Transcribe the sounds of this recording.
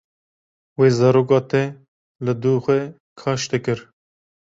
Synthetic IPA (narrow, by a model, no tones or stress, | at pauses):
weːzɑɾoːkɑːt̪ʰɛ | lɨd̪uːxʷɛ | kʰɑːʃt̪ekɨɾ